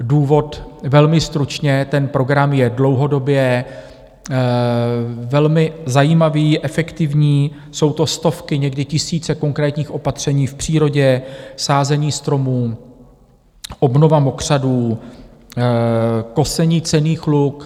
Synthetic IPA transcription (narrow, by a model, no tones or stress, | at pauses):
duːvo̞t̪vɛlmɪst̪ɾut͡ʃɲɛt̪ɛnpɾo̞ɡɾamjɛdlo̞wɦo̞do̞bjɛ | vɛlmɪzajiːmaviːʔɛfɛkt̪ɪvɲiː | so̞wt̪o̞st̪o̞fkɪɲɛɡdɪcɪsiːt͡sɛko̞ŋkɾɛːt̪ɲiːxʔo̞pat̪r̝̥ɛɲiːfpr̝̥iːɾo̞ɟɛsaːzɛɲiːst̪ɾo̞muː | ʔo̞bno̞vamo̞kr̝̥aduː | ko̞sɛɲiːt͡sɛniːxluk